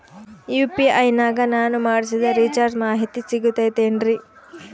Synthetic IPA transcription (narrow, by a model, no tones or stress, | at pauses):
juːpiɐjnaːɡɐnaːnumaːɽsid̪ɐɾit͡ʃaːɾɖmaːɦit̪isiɡut̪ɐjt̪eːnɾi